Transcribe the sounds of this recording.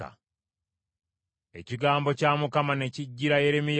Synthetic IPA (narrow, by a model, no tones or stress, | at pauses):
a̰ | e̞̰ciɡaːmbo̞caːmukamane̞ciɟːiɾaje̞ɾemij